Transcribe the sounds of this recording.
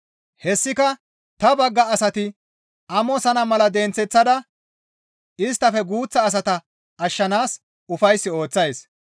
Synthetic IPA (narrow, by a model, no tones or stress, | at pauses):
hɛsːɪkɐ | t̪ɐbɐɡːɐːsɐt̪ɪ | ɐmɔsɐnɐmɐlɐd̪ɛnt͡sːɛt͡sːɐd̪ɐ | ɪst̪ːɐfɛɡuːt͡sːɐːs̬ɐt̪ɐ | ɐʃːɐnaːs | ʊfɐjsːɪo̞ːt͡sːɐjs